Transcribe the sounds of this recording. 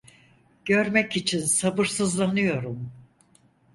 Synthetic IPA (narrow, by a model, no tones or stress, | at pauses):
ɟ̥ø̞ɾmɛcit͡ʃʰinsabɯɾsɯzlˠanɯjo̞ɾum